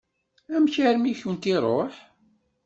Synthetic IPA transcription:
æmçæɾmiçwənt̪iɾˤoħ

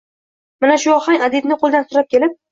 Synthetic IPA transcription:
manaʃʊɒχaŋʲad̪ɪd̪nɪqʰolˠd̪ansʊɾap̚kʲʰe̞lɪp̚

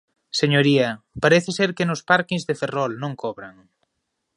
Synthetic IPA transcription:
seɲoɾiɐ | paɾeθɪseɾkɪnʊspaɾkiŋzðeferɔlnõŋkʰɔβɾaŋ

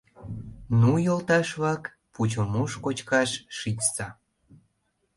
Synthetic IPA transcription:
nujolt̪ɑʃβɑk | put͡ɕomuʃkot͡ɕkɑʃʃit͡stɑ

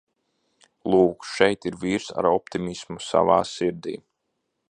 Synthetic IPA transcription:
lˠuːkʃɛjt̪iɾviːɾsa̰ɾɔp̚t̪imismusa̰vaːsiɾd̪ḭː

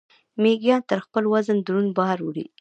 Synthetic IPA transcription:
meɡjɑnt̪əɾxpəlwazənd̪ɾunbɑɾwəɽḭ

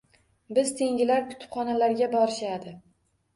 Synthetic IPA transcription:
bɪzt̪ʰe̞ŋʲɪlaɾkʰʊ̥t̪ʰɪ̥pχɒnalaɾɡʲabɒɾɪʃad̪ɪ

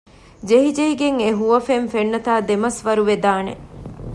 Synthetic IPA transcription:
d͡ʒeɦid͡ʒeiɡeŋeɦuʋɐfenfenːɐt̪aːd̪emɐsʋɐɾuʋed̪aːnḛ

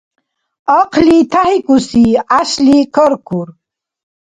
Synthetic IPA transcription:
əqʰlit̪ʰaɦikusiaɕlikəɾkuɾ

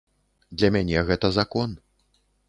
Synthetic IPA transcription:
d̪lʲɐmʲanʲɛɣɛt̪ɐzakɔn

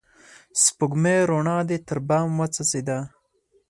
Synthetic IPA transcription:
spʊɡmeɾoɳɑːd̪et̪əɾbɑːmwat͡sasid̪a

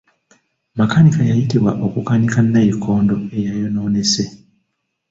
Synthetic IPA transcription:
makanikajajitiβwaʔokukanikanːajikʰːo̞ːndo̞e̞jajo̞noːnese

